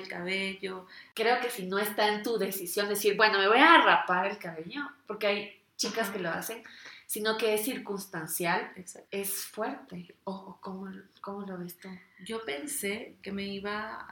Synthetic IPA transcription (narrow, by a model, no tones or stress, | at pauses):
elkaβeʝo̞kɾeo̞ke̞sino̞e̞st̪aent̪uðe̞sisjo̞nd̪e̞esiɾbwe̞no̞me̞β̞o̞jaːrapaɾe̞lkaβeʝo̞po̞ɾke̞aj | t͡ʃikaske̞lo̞a̰se̞nsino̞ke̞esːiɾkunst̪ansjale̞sfwe̞ɾt̪e̞okomoko̞mo̞lo̞β̞e̞st̪uɟ͡ʝo̞pe̞nse̞ke̞me̞iβa